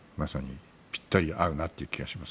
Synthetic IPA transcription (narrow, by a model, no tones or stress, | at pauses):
masaɲ̟i | pʲi̥t̪ːoɾʲiʔaɯ̟nat̪ːeiɯ̟kʲiɡaɕimas